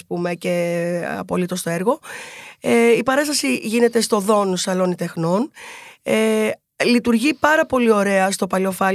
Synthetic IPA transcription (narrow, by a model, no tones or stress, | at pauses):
pume̞ce̞ɐ̰po̞lit̪o̞st̪o̞eɾɣo̞ | eipɐɾɐst̪ɐsiʝine̞t̪e̞st̪o̞ðo̞nsɐlo̞nit̪e̞xno̞ne | lit̪uɾʝipɐɾɐpo̞lio̞ɾe̞ɐst̪o̞pɐlo̞fɐ